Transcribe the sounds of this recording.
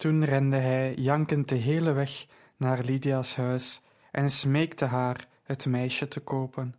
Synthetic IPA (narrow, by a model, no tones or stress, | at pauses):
tunrɛndəɦɛjjɑŋkən̚dəɦeːləʋɛx | naːrlidiasɦœɥs | ʔɛnsmeːktəɦaːr | ɦətmɛjʃətəkoːpən